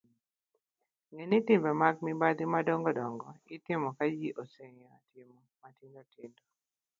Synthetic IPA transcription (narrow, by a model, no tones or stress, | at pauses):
ŋenitɪmbɛmaɡmibad̪imadɔŋɡɔdɔŋɡɔitɪmɔkad͡ʒiʔoseɲatʰɪmɔmatindotɪndo